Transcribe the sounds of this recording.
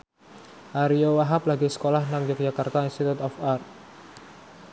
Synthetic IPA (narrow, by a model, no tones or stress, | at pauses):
ʔaɾiowaɦap̚laɡisə̥kolahnaŋd͡ʒak̚d͡ʒakart̪ainst̪it̪ut̪ɔfart̪̚